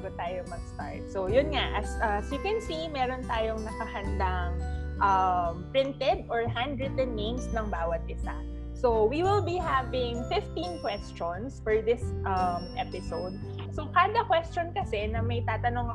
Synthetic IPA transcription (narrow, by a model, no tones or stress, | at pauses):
aɡot̪aːjomɐɡst̪a̰ɹt̪̚sojʊnŋaʔɐsʔɐsikwɛnsimɛːɾont̪aːjoŋnɐkɐhɐnd̪aŋʔɐmpɾɪnt̪ɛd̪ɔɹɦand̪ɹɛt̪ɛd̪̚nẽmsnɐŋbaːwɐt̪̚ʔɪsa̰ | sowiwɪlˠbiɦavɪŋfɪft̪inkwɛst͡ʃonsfɔɹðɪsʔɐmʔɛpɪsowd̪̚ | sokaːd̪ɐkwɛst͡ʃonkɐsɛnɐmɐjt̪aːt̪ɐnoŋ